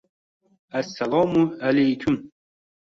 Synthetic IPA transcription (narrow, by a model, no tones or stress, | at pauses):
ʔasːalɑːmʊʔalajkʰʊm